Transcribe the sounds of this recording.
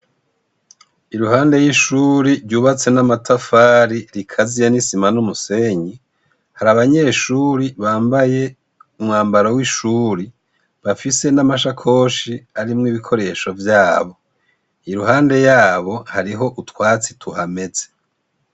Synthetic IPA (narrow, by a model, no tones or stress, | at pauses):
iɾuhaːnde̞jiʃuːɾiɾɟuːβat͡se̞namatʰafaːɾiɾikʰazijanisimanumuse̞ɲi | haɾaβaɲe̞ːʃuːɾiβaːmbaje̞ | umŋaːmbaɾawiʃuːɾi | βafise̞namaʃakʰo̞ːʃiaɾimŋiβikʰo̞ɾe̞ʃo̞vjaːβo̞ | iɾuɦaːnde̞jaːβo̞haɾiɦo̞ʔutwaːt͡si̥tʰuhame̞ze